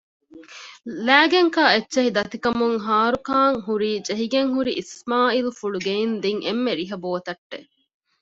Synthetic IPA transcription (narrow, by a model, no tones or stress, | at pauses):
læːɡeŋkaːetːʃeɦid̪ɐt̪ikɐmuŋɦaːɾukaːŋɦuɾiːd͡ʒeɦiɡeŋɦuɾiʔismaːilufuɭuɡeind̪iŋʔemːeɾiɦɐboːɐt̪ɐʈːe